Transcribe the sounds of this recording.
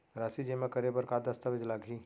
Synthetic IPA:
ɾaːsid͡ʒeːmãkɐɾebɐɾkaːd̪ɐst̪aʋɪd͡ʒlaːɡʱiː

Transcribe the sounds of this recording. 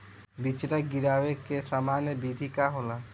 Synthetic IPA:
bit͡ʃɾaɡɪɾaːwekesaːmaːnjəbiːd̪ʱikaɦoːlaː

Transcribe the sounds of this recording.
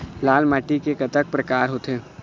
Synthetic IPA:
laːlmaːʈikekɐt̪ək̚pɾɐkaːɾɦoːt̪eː

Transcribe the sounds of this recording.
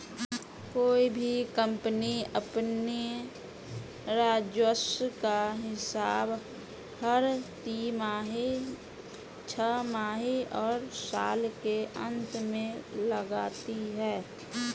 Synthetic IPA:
koːibʱikə̃mpniəpni | ɾaːd͡ʒwəskaɦɪsaːb | həɾt̪imaːɦi | t͡ʃʰəmaːɦiɔːɾsa̰ːlkeʔə̃nt̪mẽləɡaːt̪iɦɛː

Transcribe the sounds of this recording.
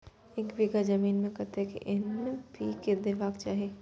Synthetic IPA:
eːkbiɡad͡ʒɐmiːnmẽkɐt̪ekḛʔɪnːpiːked̪ɪʋaːkt͡ʃaːɦeː

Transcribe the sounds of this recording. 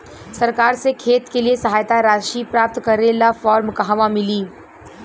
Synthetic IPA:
sɐɾkaːɾsekʰeːt̪keliesɐɦaːjt̪aɾaːʃiːpɾaːp̚t̪kɐɾeːlafɔːɾmkaɦɐʋamɪliː

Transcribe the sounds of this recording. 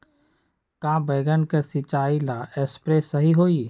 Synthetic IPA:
kãːbeːɡənkesɪt͡ʃaːilaʔespɾeːsɐɦiɦoːi

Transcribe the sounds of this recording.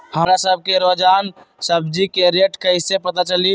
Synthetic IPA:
həmɾasəbʱkeɾod͡ʒan | səbd͡ʒikeɾeʈkəɪsepət̪at͡ʃəli

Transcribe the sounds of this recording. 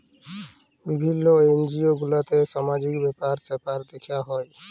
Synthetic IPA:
bibʱinːoejnd͡ʑioɡulat̪eʃamad͡ʑikbɛpaɾsɛpaɾd̪ekʰijaɦɔe

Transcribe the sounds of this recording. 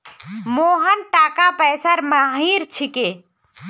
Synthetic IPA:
moɦənʈakapɛjsəɾməɦiɾt͡ʃʰike

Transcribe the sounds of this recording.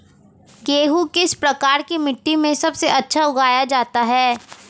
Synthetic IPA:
keːɦukɪspɾɐkaːɾkimɪʈːimẽsɐbseʔɐtːʃʰaʊɡaːjad͡ʒaːt̪aɦɛː

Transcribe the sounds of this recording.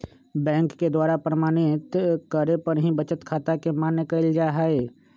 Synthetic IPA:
bɛ̃ːŋkːed̪waːɾapɾəmaːñɪt̪kəɾepəɾɦĩbət͡ʃət̪kʰaːt̪akemaːnːekɐɪld͡ʒaɦɛe

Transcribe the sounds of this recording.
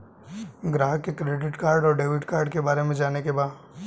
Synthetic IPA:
ɡɾaːɦkekɾeɖɪʈkaːɾɖɔːɾɖeːʋɪʈkaːɾɖkebaːɾemẽd͡ʒaːnekebaːd̪

